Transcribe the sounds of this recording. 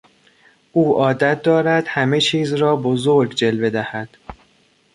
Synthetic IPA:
ʔuːʔɒːd̪æt̪̚d̪ɒːɾæd̪̥hæme̞t͡ʃʰiːzɾɒːbozoɾɡd͡ʒe̞lbe̞d̪æhæd̪̥

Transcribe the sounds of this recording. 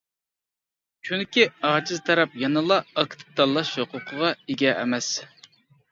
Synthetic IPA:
t͡ʃʰynkʲiɑːd͡ʒɨzt̪ʰɑɾɛpjɑnɨlˠɑɑkt̪ʰɨ̥t̪ɑlˠːɑʃhoqʰʊqʰəʁɑeɡʲɛʔːmɛs

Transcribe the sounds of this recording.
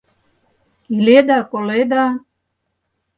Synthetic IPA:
iled̪akoled̪a

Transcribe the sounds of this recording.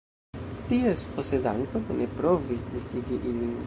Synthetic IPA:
t̪iesposed̪ant̪odenepɾovisd̪isiɡiʔilin

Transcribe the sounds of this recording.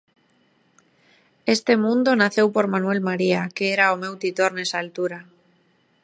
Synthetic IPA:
est̪emũnd̪onaθe̞wpoɾmanuwe̞lmaɾiakeeɾaomewt̪it̪oɾnesalt̪uɾa

